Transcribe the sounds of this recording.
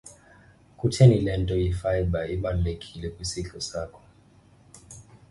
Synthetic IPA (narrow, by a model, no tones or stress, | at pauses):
kutʰɛnilɛndɔifajbaiɓanlɛkʰilikusiɬɔsakɔ̥